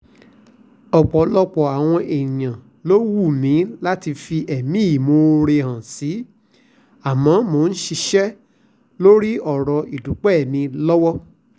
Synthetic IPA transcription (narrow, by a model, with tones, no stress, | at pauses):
ɔ˨k͡pɔ˨lɔ˧k͡pɔ˨a˨w̃ɔ̃˧ʔe˨j̃ã˨ | lo˦wu˦˨mĩ˨˦la˦ti˧fi˧ʔɛ˨mĩ˦i˦˨mo˧ɾe˧hã˨si˨˦ | a˨mã˨˦mo˨˦˧n̩˦ʃi˧ʃɛ˦ | lo˦ɾi˦ɔ˨ɾɔ˨i˨du˨˦k͡pɛ˦ɛ˦˨mĩ˧lɔ˦wɔ˦